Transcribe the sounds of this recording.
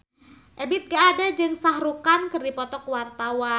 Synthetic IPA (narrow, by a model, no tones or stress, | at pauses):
ʔebɪt̪̚ɡaːdad͡ʒɨŋsaɦɾukankɨrdipɔt̪ɔkwart̪awa